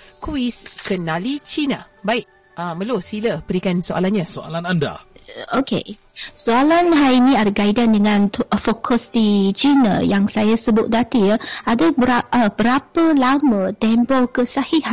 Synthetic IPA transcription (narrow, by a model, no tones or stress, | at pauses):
kuiskənalit͡ʃina | baɪʔ | əməlosiləbəɾikansoʔa̰lanɲasoa̰lananda̰okḛ | soalanɦainĩadaɡaidandəŋãnfokʰɔsdit͡ʃina̰jaŋsajasəbʊt̪̚dat̪iəadabəaəbəɾapəlamə̃t̪ɛmbɔkəsahihan